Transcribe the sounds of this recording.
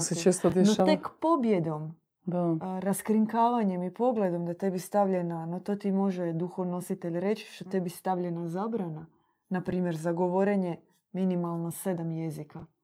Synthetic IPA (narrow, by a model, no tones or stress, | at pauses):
set͡ʃest̪od̪enot̪ekpo̞bje̞d̪o̞m | d̪aɾaskɾiŋkaːʋaɲe̞mipo̞ɡle̞d̪o̞md̪at̪e̞bist̪aʋʎe̞nanot̪o̞ːt̪imo̞ʒed̪uxoʋno̞sit̪e̞ʎɾe̞t͡ʃi̥ʃt̪ot̪e̞bist̪aʋʎenazaːbɾana | napɾiːmje̞ɾzaɡo̞ʋo̞ɾeɲe | minimalˠnosed̪amje̞zika